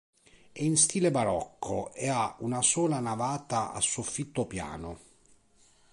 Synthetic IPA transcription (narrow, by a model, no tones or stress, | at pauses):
ɛinst̪iːlebaɾɔkʰːo̰ʔeaunasɔːlanavaːt̪aa̰sːofːit̪ːopja̰ːnʊ